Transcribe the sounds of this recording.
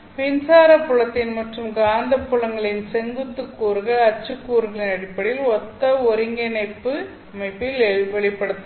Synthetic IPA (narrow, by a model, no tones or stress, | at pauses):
ʋɪnsaːɾɐpːʊɭɐt̪ːɪnmɐʈrɯmɡaːnd̪ɐpːʊɭɐŋɡɐɭɪnsɛŋɡɯt̪ːɯkːuːɾɯɣɐɭɐt͡ʃːɯkːuːɾɯɣɐɭɪnɐɽɪpːɐɽɪjɪlɔt̪ːɐɔɾɪŋɡɛnɐɪpːɯ | ɐmɐɪpːɪlɛʋɛɭɪpːɐɽɯt̪ːɐ